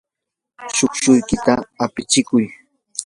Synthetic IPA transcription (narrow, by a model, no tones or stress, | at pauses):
ʃokʃʊjkɪt̪aːpɪt͡ʃɪkʊj